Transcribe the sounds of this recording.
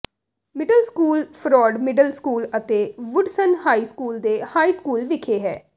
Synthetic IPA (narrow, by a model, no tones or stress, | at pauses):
mɪɖəlskuːlpʰɾɔːɖmɪɖəlskuːlət̪eːʋʊɖsənhaːiːskuːld̪eːhaːiːskuːlʋɪkʰeːɦɛː